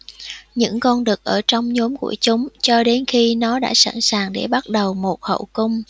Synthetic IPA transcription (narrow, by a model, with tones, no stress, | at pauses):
ɲɨ̰˧˥ŋkɔ˧nɗɨ˨˩ək̚ʔəː˧˩t͡ɕɔ˧wŋ͡mɲo˨˦mkṵ˧˩ət͡ɕʊ˨˦ŋ͡mt͡ɕɔ˧ɗe˨˦nxi˧nɔ˨˦ɗa̰ː˧˥sa̰˧˩nsaː˨˩ŋɗe˧˩ɓa˦˥t̚ɗə˨˩wmo˨˩t̚hə̰˧˩wkʊ˧ŋ͡m